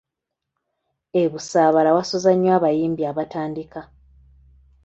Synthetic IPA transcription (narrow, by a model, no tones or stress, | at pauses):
eβusaːβalawasozaɲːwaːβajiːmbiaβataːndika